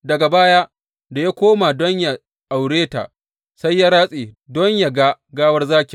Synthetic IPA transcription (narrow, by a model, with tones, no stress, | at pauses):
dɐ˨ɡa˨baː˦ja˦ʔ | da˨ja˦kʷoː˦ma˨dɔ˦ɲja˨ | ʔa˨wɽeː˦ta̰˨ʔ | sa˦jːa˦ɾaː˦sʼeː˨dɔ˦ɲja˨ɡa˦ɡaː˦wɐ˦rzaː˦kʲe˨